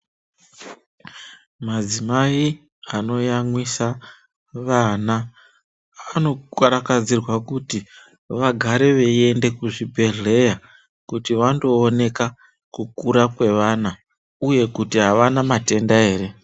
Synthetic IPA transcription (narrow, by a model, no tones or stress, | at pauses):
mad͡zimai | ano̞jamwisa | ʋana | ano̞kwaɾakad͡zirwakuti | ʋaɡʱaɾe̞ʋe̞e̞nde̞kuʐibʱe̞ɮe̞ja | kutiʋando̞ːne̞ka | kukuɾakwe̞ʋaːna | uje̞kutiɦaʋanamate̞ndae̞ːɾe̞